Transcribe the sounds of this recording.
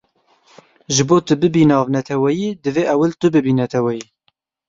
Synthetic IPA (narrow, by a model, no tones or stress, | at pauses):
ʒɨboːt̪ɨbɨbiːnɑːvnɛt̪ʰɛwɛjiːd̪ɨveːʔɛwɪlt̪ʊbɨbiːnɛt̪ʰɛwɛjiː